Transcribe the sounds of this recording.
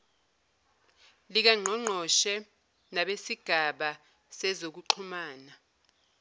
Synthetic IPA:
lik̬aŋ͡ǀʱɔŋ͡ǃʱɔʃɛ | naɓesiɡ̥ʱaɓa | sɛzok̬uǃʰumaːna

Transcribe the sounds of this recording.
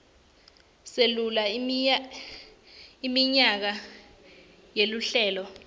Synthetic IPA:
selula | imiɲak̬a | jeluɬɛːlɔ

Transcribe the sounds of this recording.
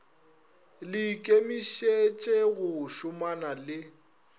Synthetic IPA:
lɪkʼemiʃet͡ʃʼɛɣʊʃʊmanalɪ

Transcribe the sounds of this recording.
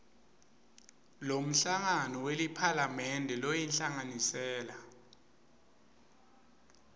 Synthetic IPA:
lom̩ɬaŋanɔwelipʰalamɛndʱɛlɔjɛnɬaŋanisɛːla

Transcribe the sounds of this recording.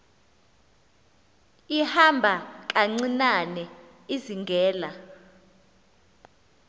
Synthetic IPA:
ihambʱak̬ʼaŋ͡ǀinanɛ | iziŋɡʱɛːla

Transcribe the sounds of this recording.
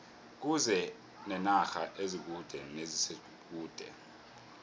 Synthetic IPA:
k̬uzɛ | nɛnaxaʔezik̬ud̥ʱɛnezise | k̬ʼuːd̥ʱɛ̰

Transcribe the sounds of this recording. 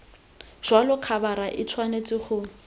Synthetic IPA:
ʒ̥walʊq͡χʰabaɾaʔɪt͡sʰwanet͡sʼɪχʊ

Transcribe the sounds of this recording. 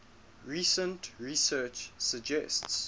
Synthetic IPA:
ɹisə̃ntɹisɜːt͡ʃsəd͡ʒɛsts

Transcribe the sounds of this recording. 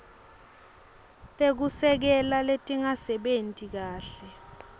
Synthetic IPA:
tʼek̬usɛk̬ɛlaletʼiŋasɛɓentʼik̬aːɬɛ

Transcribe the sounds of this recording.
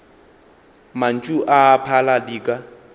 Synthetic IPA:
man̩t͡ʃʼuʔaːpʰaladiːkʼa

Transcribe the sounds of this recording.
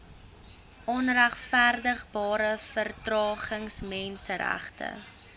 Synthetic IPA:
ʔɔnræχfærdəχbɑːɾəfərtrɑːχəŋsmɛnsəɾæ̰χtə̰

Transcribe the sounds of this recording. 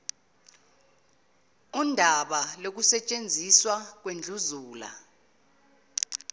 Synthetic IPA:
undʱaɓalok̬usɛt͡ʃʼend͡zʱiswak̬wend͡ɮʱuzuːla̰

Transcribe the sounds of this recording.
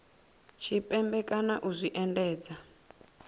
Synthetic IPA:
t͡ʃʰipʼɛmbɛkʼanaʔuzʷiʔɛndɛːd͡za

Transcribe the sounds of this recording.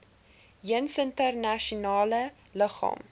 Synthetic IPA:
iənsəntərnɐʃunɑːlə | ləχɑ̰ːm

